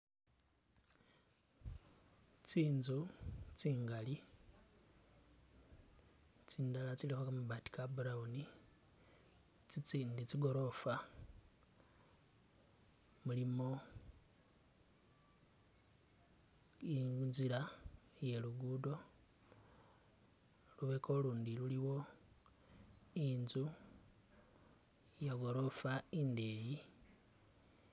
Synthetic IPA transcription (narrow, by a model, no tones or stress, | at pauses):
t͡siːnzut͡siːŋɡali | t͡siːndalat͡silixokamuβati̥kabuɾauni | t͡sit͡siːndit͡siɡo̞ɾo̞fa | mulimo̞ | iunzilaje̞luɡuːdo̞ | luβekʰoluːndiluliwo̞ | inzu | jaɡo̞ɾo̞faindeːji